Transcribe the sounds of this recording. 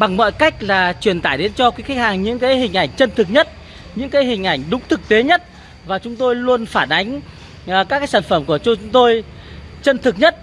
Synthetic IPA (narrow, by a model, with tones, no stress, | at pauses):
ɓa˨˩ŋmɔ̰ː˧˨jka˦˥jk̟̚laː˨˩t͡ɕwi˨˩ənt̪aː˧˩jɗe˨˦nt͡ɕɔ˧kaː˨˦kxa˦˥k̚haː˨˩ŋɲɨ̰˧˥ŋkaː˨˦jhï˨˩ŋ̟ʔa˧˩jŋ̟t͡ɕə˧nt̪ʰɨ˨˩k̚ɲə˦˥t̚ | ɲɨ̰˧˥ŋkaː˨˦jhï˨˩ŋ̟ʔa˧˩jŋ̟ɗʊ˨˦ŋ͡mt̪ʰɨ˨˩k̚t̪e˨˦ɲə˦˥t̚ | vaː˨˩t͡ɕʊ˨˦ŋ͡mt̪o˧jlu˧ənfaː˧˩nʔa˨˦jŋ̟˨˩ | kaː˦˥kaː˨˦jsaː˧˩nfə˧˩mku˧˩ət͡ɕu˧t͡ɕʊ˨˦ŋ͡mt̪o˧j | t͡ɕə˧nt̪ʰɨ˨˩k̚ɲə˦˥t̚